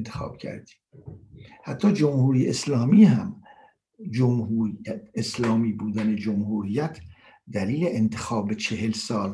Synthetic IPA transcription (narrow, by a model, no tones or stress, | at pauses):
nt̪ʰe̥xɑ̰ːb̥cʰæ̰ɾd̪iː | hæt̪ʰːɒːd͡ʒomhuːɾijeslɒːmiːɦæm | d͡ʒomhueslɒːmiːbuːd̪æne̞d͡ʒomhuːɾijːæt̪ʰ | d̪æliːle̞ʔent̪ʰexɒːbet͡ʃʰe̞helsɒːl